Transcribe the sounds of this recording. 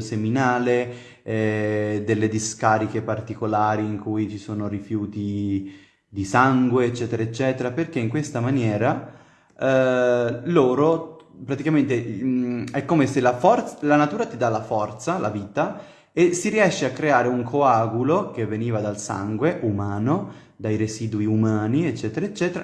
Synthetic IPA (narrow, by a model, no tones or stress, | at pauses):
seminaːle | ɛd̪elːed̪iskaːɾikepart̪ikolaːɾiːŋkujt͡ʃisoːnorifjuːt̪i | d̪isaŋɡweːt͡ʃːɛːt̪eɾaet͡ʃːɛːt̪eɾaperk̟eiŋkwest̪amanjɛːɾa | loːɾopɾat̪ikament̪e | ɛkːomeselafɔrt̪salanat̪uːɾat̪id̪alafɔrt̪sala̰viːt̪a | esiɾiɛʃːeakːɾeaːɾeuŋkʰoaːɡulok̟evːeniːvad̪alsa̰ŋɡweʔumaːno | d̪ajɾesiːd̪uiumaːniet͡ʃːɛːt̪eɾaet͡ʃːɛːt̪eɾa̰